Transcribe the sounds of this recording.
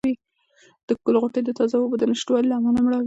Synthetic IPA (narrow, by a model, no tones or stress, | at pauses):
i | d̪̥əkʊlɣoʈejd̪ət̪ɑzawobd̪ənaʃʈwɑlilamɑnamɽɑw